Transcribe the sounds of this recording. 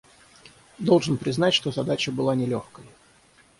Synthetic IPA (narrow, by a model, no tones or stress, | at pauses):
d̪o̞lˠʐɨnpɾʲɪznatʲʂt̪o̞zɐd̪at͡ɕəbɨlˠanʲɪlʲoxkəj